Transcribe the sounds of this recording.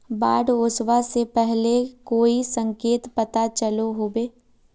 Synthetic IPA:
baːɖoːswasepɛɦlekoːisə̃ŋkeːt̪pɐt̪at͡ʃəloɦoːbeː

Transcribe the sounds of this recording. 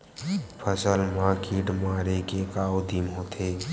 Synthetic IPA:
pʰəsəlmaːkiʈmaːɾekekaːod̪imɦot̪ʰe

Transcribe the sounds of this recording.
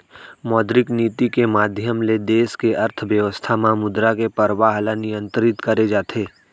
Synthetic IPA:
mɔːd̪ɾɪkniːt̪ikemaːd̪ʱjəmled̪eːskeɐɾt̪ʰʋjəʋəst̪ʰamãmʊd̪ɾakepəɾʋaɦəlanɪjə̃nt̪ɾɪt̪kəɾed͡ʒaːt̪ʰeː

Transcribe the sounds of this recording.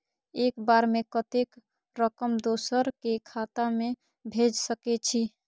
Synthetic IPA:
ekbaɾmekət̪ek | ɾəkəmd̪osəɾkekʰat̪ame | bʱed͡ʒsəkɛt͡ʃʰi

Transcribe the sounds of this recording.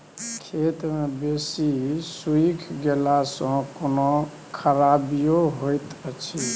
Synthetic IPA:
kʰet̪mebesisuikʰɡelasə̃kono | kʰəɾabijoɦojt̪ət͡ʃʰi

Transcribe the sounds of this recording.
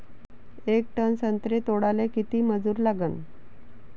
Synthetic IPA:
ek̚ʈənsənt̪ɾet̪oɽalekit̪iːməd͡zuːɾlaɡən

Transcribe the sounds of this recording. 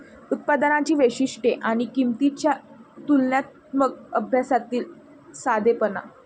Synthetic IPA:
ut̪̚pad̪ənat͡ɕiːʋeɕiʂʈeʔaɽ̃ikimt̪it͡ɕjat̪ulnjat̪̚ | mək̚əbʱjasat̪iːl | sad̪ʱepəna̰

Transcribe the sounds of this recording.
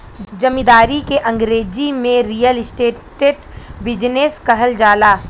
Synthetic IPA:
d͡ʒɐmĩd̪aːɾikeʔɐ̃ŋɡɾeːd͡ʒimẽɾijəlɪsʈeːʈeːʈbɪd͡ʒneskɐɦəld͡ʒaːlaː

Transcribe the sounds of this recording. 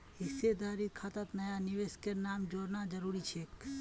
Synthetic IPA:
ɦɪsed̪aːɾit̪̚kʰat̪at̪nɐjanɪʋeskeɾnaːmd͡ʒoːɾnad͡ʒəɾuːɾit͡ʃʰeːk

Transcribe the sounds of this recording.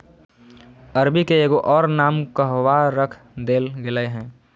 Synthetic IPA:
əɾbikeeːɡoʔɔːɾnaːmkəɦwaɾəkʰ | d̪eːlɡɪləeɦɛ̃ː

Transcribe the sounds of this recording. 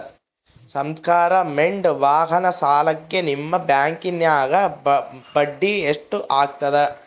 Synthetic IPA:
sɐmskaːɾɐmeɳɖʋaːɦɐnɐsaːlɐkːenimːɐbjaːŋkinjaːɡɐbɐɖːieʂʈuʔaːɡ̚t̪ɐd̪e

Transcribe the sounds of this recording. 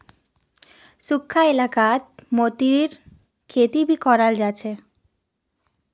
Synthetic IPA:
sukʰːaelakat̪̚mot̪iɾiɾ | kʰet̪ibʱikɔɾald͡ʑaːt͡ɕʰe

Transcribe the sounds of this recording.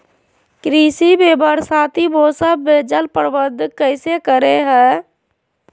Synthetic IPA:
kɾiːsibeːbəɾsaːt̪ʰiboːsəbeːd͡ʒəlpəɾʋəd̪ʱkəɪsekəɾeɦɛ̃ː

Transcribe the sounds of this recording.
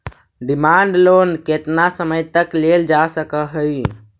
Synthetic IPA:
ɖimaɳɖlonket̪nasəməjt̪əkleld͡ʒasəkəɦəj

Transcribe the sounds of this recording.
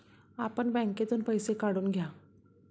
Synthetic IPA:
apəɳbɛ̃ŋket̪uːnpəjsekaɽuːnɡʱja

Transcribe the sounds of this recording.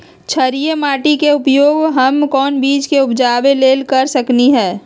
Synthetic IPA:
t͡ʃʰɐɾijemaːʈikeʊpjoːɡɦɐmkɔːnbiːt͡ʃkeʊpd͡ʒaːʋeleːlkɐɾsɐkniɦɛː

